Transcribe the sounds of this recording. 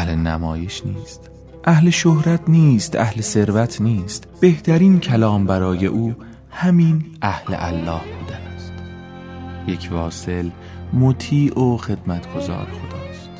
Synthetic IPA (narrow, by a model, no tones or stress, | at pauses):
hlenæ̰mɒːjeʃniːst̪ | ʔæhle̞ʃohɾæt̪ʰniːst̪æ̰hlese̞ɾvæt̪ʰniːst̪b̥e̞ht̪ʰæɾiːncʰælɒːmbæɾɒːje̞̰ʔuː | hæmiːnʔæhlḛʔælːɒːhbuːd̪ææsd̪̥ | je̞cʰvɒːse̞l | mot̪ʰiːʔoxe̞d̪̥mæt̪ʰɡ̥o̞zɒ̰ːɾexo̞d̪̥ɒːst̪